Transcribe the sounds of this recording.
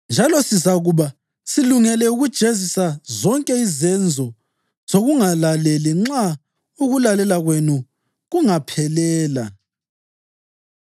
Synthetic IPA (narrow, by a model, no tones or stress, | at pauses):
nd͡ʒʱalɔsizaɣuβa | siluŋɛlɛuɣud̥ʒ̥ʱezisazɔŋkʼɛizɛnd͡zʱɔ | z̥oɣuŋalalɛliŋ͡ǁa | uɣulalɛlaɣwenu | ɣuŋapʰɛlɛːla